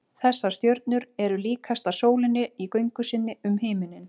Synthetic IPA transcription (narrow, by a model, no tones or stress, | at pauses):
θɛsːḁst̪jœɾt̪̚nʏɾɛɾʏliːkʰast̪asoːwlɪnːɪikœɥjŋkʏsɪnːɪʏmɦeːjmɪnːɪn